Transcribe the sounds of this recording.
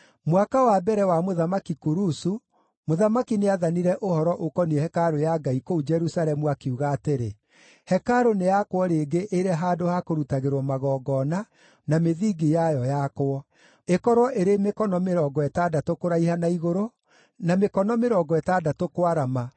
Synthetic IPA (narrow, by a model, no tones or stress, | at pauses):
mwakawabɛɾɛwamoðamakikuɾusu | moðamakineaðaniɾɛʔohɔɾɔʔokɔniɛhɛkaɾojaɡaikoud͡ʒɛɾusalɛmuakiuɣaːteɾe | hɛkaɾonejakwɔɾeːɡeʔeɾɛɦaːdohakoɾutaɣeɾwɔmaɣɔːɡɔna | nameðiːɡijajɔjakwɔ | ekɔɾwɔʔeɾemekɔnɔmeɾɔːɡɔɛtadatokoɾaihanaiɣoɾo | namekɔnɔmeɾɔːɡɔɛtadatokwaɾama